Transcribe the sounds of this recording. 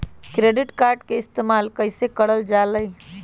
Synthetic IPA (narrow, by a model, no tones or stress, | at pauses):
kɾeːɖɪʈkaːɾɖkeɪst̪eːmaːlkəɪsekəɽəld͡ʒaləi